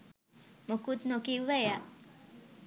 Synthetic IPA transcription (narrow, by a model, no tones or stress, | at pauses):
mokut̪nokiʋʋɛja